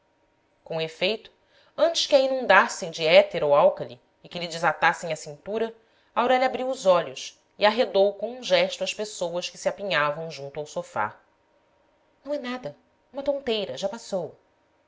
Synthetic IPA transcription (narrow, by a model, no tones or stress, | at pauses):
kõefejt̪ʊ̥ | ɐ̃nt͡ʃɪ̥ʃkɪɐinũnd̪asẽj̃d͡ʒɪɛt̪eɾowawkɐlḭː | kɪlɪd͡ʒɪzat̪asẽj̃ɐsĩnt̪uɾɐ | ɐawɾɛʎɐaːbɾiwʊzɔʎʊs | iaɦed̪owkõũʒɛʃt̪uɐʃpesowɐʃkɪ̥sɪapiɲavɐ̃w̃ʒũnt̪uawsofa̰ | nɐ̃ɛnad̪ɐ | ũmɐt̪õnt̪ejɾɐʒapasow